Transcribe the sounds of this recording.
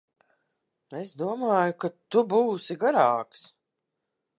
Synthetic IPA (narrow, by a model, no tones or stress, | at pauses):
esd̪uɔmaːjʊkat̪ubuːsiɡaɾaːks